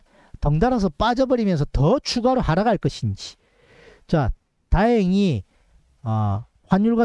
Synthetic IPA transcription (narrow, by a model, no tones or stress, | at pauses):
tʌŋdaɾɦas̬ʰʌp͈ad͡ʑʌbʌɾimjʌns̬ʰʌtʌt͡ɕʰuɡaɾohaɾaɡaɭk͈ʌɕʰind͡ʑi̥ | t͡ɕa | taeŋi | ʌ | hwaɲjuɭɡwa